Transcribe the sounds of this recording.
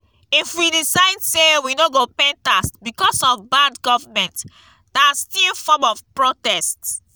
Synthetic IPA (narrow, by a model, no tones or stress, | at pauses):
ifwidisaɪdsewinoɡopẽntastbikɔsɔvbadɡɔvamɛ̃nt | dastilfɔmɔvpɹotɛst